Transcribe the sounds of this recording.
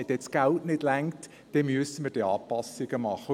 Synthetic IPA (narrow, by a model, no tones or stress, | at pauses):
ɛt̪ɛt͡sɡ̥æltnɪd̥læŋkt | d̥ɛmyəsəmərd̥iɑːpɑsiɡ̥əmɑχə